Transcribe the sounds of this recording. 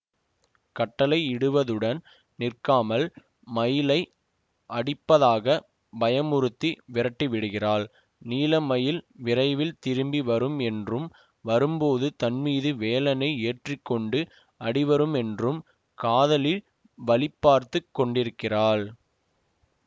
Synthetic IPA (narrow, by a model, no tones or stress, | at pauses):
kɐʈːɐlɐɪɪɽɯʋɐðɯɽɐn | nɪrkaːmɐl | mɐjɪlɐɪ | ʔɐɽɪpːɐðaːɣɐ | bɐjɐmʊɾɯt̪ːiʋɪɾɐʈːiʋɪɽɯɣɪraːɭ | niːlɐmɐjɪlʋɪrɐɪʋɪlt̪ɪɾɯmbiʋɐɾɯmɛndrɯm | ʋɐɾɯmpoːðɯt̪ɐnmiːðɯʋeːlɐnɐɪeːʈrɪkːɔɳɖɯ | ɐɽɪʋɐɾɯmɛndrɯm | kaːðɐlɪl | ʋɐlɪpːaːɾt̪ɯkːɔɳɖɪɾɯkːɪraːɭ